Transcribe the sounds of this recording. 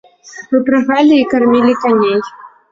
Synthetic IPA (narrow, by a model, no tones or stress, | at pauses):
vɨpɾaɣalʲiːkarmʲilʲikanʲej